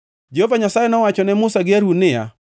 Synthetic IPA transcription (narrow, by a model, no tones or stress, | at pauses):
d͡ʒeɦovaɲasajɛnɔwat͡ʃɔnɛmʊsaɡɪaɾunɪja̰